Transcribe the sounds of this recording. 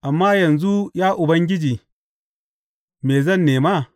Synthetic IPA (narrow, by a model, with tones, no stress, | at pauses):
ʔa˨mːaː˦jɐ˨nzu˦jaː˦ʔʊ˨bɐ˦ŋɡʲɪ˦d͡ʒiː˨ | meː˨zɐ˦˨nːeː˨ma˦˨